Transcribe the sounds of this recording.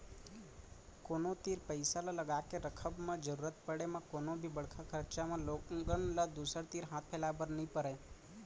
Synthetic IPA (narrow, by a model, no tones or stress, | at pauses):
koːnot̪iːɾpəɪsalaləɡaːkeɾəkʰəbmẽd͡ʒəɾuːɾət̪̚pəɽemẽkoːnõbʱibəɽ̤kʰakʰəɾt͡ʃamẽloːɡənlad̪uːsəɾt̪iːɾɦãːt̪ʰpʰeːlabəɾnəĩpəɾeː